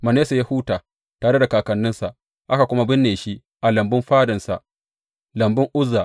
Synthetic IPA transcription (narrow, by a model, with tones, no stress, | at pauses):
mɐ˨neː˦sa˨ja˦hu˦taː˨ | taː˨ɽe˦da˨kaː˨kɐ˨nːɪ˦nsa˨ʔ | ʔa˦ka˨kʷʊ˦ma˦bɪ˦nːeː˨ʃi˦ | ʔa˨lɐ˨mbɪ˦mɸaː˦dɐ˨nsa̰˨ʔ | lɐ˨mbɪ˦ŋʔʊ˦zːaː˨ʔ